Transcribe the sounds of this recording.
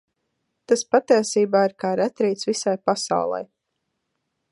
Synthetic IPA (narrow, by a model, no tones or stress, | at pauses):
t̪aspat̪iɛsiːbaːiɾkaːɾɛt̪ɾiːt̪svisajpasa̰wlˠɛ̰j